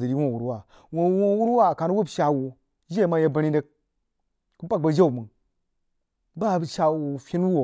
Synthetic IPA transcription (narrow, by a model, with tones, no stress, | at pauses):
zə˨ɾi˦wo˦˨wu˨ɾwa˦˨ | wo˦wo˦wu˦ɾwa˦˨ka˨nu˦wu˦bʃa˨wu˨ | ʒe˦ma˦je˦ba˨ɾi˦de˦k̚ | ku˦ba˦k̚ba˨d͡ʒa˦u˨mɨ˨ | ba˦˨ʃa˨wu˨fʲi˦n˦wu˦wo˨